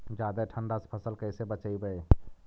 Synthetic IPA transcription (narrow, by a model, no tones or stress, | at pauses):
d͡ʒaːd̪aʈʰəɳɖaspʰəsəlkəɪsebət͡ʃaibəe